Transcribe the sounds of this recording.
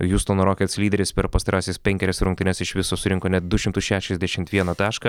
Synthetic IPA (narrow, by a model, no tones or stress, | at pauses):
juːst̪oːnɾoːkʲɛt̪slʲiːd̪ʲɛɾʲɪspʲɛɾpɐst̪ɐɾɑːsʲeːsʲpʲɛŋʲkʲɛɾʲɛsɾʊŋkt̪ʲɪnʲɛsɪʃʋʲɪsoːsʊɾʲɪŋkoːnʲɛt̪̚d̪ʊʃʲɪmt̪ʊsʃʲæːʃʲɛzʲd̪ʲæʃʲɪmt̪ʋʲiɛnɐt̪ɑːʃkɐ